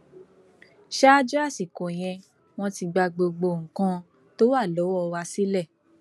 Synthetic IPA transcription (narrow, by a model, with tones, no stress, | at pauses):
ʃa˦d͡ʒɔ˦a˦˨si˨kõ˨j̃ɛ̃˧ | w̃ɔ̃˦ti˧ɡ͡ba˧ɡ͡bo˧ɡ͡bo˧˨ŋ̩˨kã˧ | to˦wa˦˨lɔ˨˦wɔ˦˧wa˧si˦lɛ˦˨